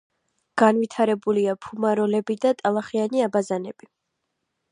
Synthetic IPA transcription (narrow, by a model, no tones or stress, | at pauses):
ɡ̥anvit̪ʰaɾɛbuliapʰumaɾɔlɛbid̪at̪ʼalˠaχianiabazanɛb̥i